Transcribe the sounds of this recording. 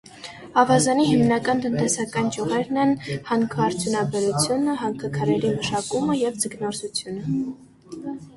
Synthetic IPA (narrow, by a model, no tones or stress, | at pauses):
ɑvɑzɑniɦimnɑkɑnt̪ənt̪ɛsɑkɑnt͡ʃjuʁɛɾnɛnhɑŋkʰəɑɾt͡sʰjunɑbɛɾut͡sʰjunəɦɑŋkʰəkʰɑɾɛɾiməʃɑkuməjɛvd͡zəɡnɔɾsut͡sʰjunə